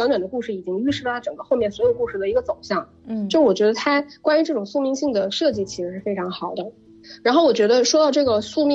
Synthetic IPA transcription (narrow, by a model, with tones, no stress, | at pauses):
ɑ˧˥nɛ˨˩nd̪ə˦ku˥˧ʂɻ̩˥˩i˨˩t͡ɕi˥ŋy˥ʂɻ̩˥˩lʰʈ͡ʂɤ˨˩ŋɡə˦˥xo˥˧ʊmjɛ˥˩nswɔ˧˥jo˨˩ʊku˥˧ʂɻ̩˥˩d̪ə˩i˧˥ɡə˧t͡so˨˩ʊɕjɑ˥˩ŋ | ʈ͡ʂwɔ˨˩t͡ɕɥɛ˧˥ə˧t̪ʰa˥kwa˥ny˧˥ʈ͡ʂɤ˥˩ʈ͡ʂʊ˨˩ŋsu˥˧mi˥˧ŋɕi˥˩ŋd̪ə˩ʂɤ˥˧t͡ɕi˥˩t͡ɕʰi˧˥ʂɻ̩˧˥ʂɻ̩˥˩fe˥ɪʈ͡ʂʰɑ˧˥ŋxɑ˨˩ʊd̪ə˦ | ɻa˧˥nxo˥˩ʊwɔ˨˩t͡ɕɥɛ˧˥d̪ə˧ʂwɔ˥t̪ɑ˥˧ʊʈ͡ʂɤ˥˩ɡə˩su˥˧mi˥